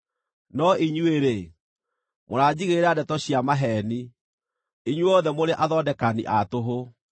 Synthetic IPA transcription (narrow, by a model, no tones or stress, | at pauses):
nɔiɲueɾe | moɾaːd͡ʑiɣeɾɛadɛtɔɕiamaɦɛni | iɲwɔðɛmoɾeʔaðɔdɛkanḭʔatoɦo